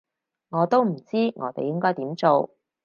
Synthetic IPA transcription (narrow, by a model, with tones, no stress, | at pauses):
ŋɔː˨˧t̪o˥wm̩˨˩t͡siː˥ŋʔɔː˨˧t̪e˨˧jɪ˥ŋkɔː˥jt̪iː˨˥mt͡so˨w